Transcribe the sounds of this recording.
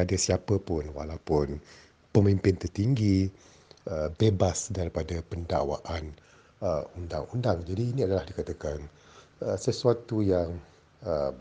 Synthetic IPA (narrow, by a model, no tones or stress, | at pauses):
adasiapəpʊnwa̰lawpʊn | pəmimpɪnt̪ərt̪iŋɡi | əbebasdaɾipadapənda̰wa̰ʔan | əunda̰ŋundaŋd͡ʒadiːnĩadalahdikat̪akanəsəsuat̪ujaŋ | ə